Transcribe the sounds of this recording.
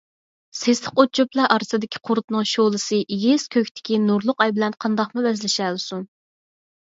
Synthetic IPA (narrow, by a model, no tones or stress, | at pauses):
seslɪqot͡ʃʰoplˠɑʔɑɾsɨd̪ɪkʲʰi̥qʰʊɾt̪nɨŋʃolˠɨsɨʔjʲeskʲʰøkʲt̪ʰɪ̥kʲinuɾlˠʊqɑjbɪlɛnqʰɑnd̪ɑqmuvɛzlɪʃɛlɨsun